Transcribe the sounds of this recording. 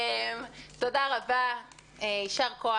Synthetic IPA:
mt̪odaʁabaeiʃaʁkoa

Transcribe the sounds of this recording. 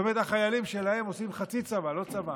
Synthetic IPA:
emet̪aχajalimʃe̞lahe̞mo̞simχat͡sit͡savalo̞t͡sava

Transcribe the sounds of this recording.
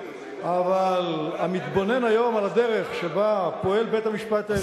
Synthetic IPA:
avalamit̪bo̞ne̞najo̞malad̪e̞ʁe̞χʃebapo̞e̞lbet̪hamiʃpat̪a

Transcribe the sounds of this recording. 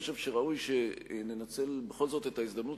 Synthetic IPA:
ʃevʃeʁaujʃenenat͡se̞lbeχo̞lzo̞t̪etaiszd̪amnut

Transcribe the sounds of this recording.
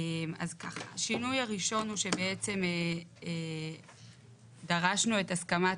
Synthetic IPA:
ma̰zkaχaʃinujaʁiʃo̞nuʃe̞beet͡se̞me | daʁaʃnue̞taskama

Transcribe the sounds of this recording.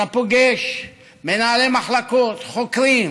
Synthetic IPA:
apoɡeʃ | menaːlemaχlakot̪χokɾim

